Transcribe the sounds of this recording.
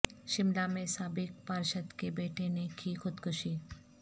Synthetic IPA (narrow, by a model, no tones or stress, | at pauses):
ʃɪmlamẽsaːbɪk̚paːɾʃət̪kebeːʈʰenekʰixʊd̪kʰʊʃiː